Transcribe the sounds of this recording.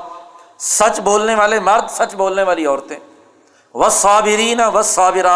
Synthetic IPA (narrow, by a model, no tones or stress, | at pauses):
sɐt͡ʃboːlneʋaːlemɐɾd̪sɐt͡ʃboːlneʋaːliɔːɾt̪ẽː | ʋɐsˤːɑːbɪɾiːnɐʋɐsːɑːbɪɾaː